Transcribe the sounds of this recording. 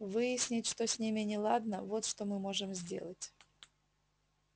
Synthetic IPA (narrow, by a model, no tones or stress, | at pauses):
vɨjɪsʲnʲɪtʲʂt̪osʲnʲimʲɪnʲɪlˠad̪nəvo̞t̪ʂt̪omɨmo̞ʐɨmzʲdʲe̞̰lˠətʲ